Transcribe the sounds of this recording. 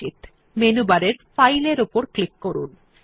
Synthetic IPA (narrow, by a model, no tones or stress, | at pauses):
it̪ | menubaɾeɾfajleɾupoɾklikːoɾun